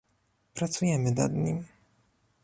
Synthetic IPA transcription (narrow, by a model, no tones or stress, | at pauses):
pɾat̪sujɛmɘna̰d̪ɲim